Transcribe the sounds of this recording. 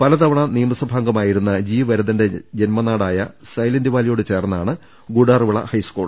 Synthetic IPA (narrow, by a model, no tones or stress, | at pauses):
pɐlɐt̪ɐʋɐɳɐnijɐmɐsɐbʱaːŋɡɐmaːjiɾunːɐd͡ʑiːʋɐɾɐðinde̞d͡ʑenmɐnaːɽaːjɐ̰sɐjlɐndiʋaːlijo̞ːɽɨt͡ɕe̞ːrnɐaːɳɨ | ɡuɽaːrʋiɭɐ̰hɐjskuːɭ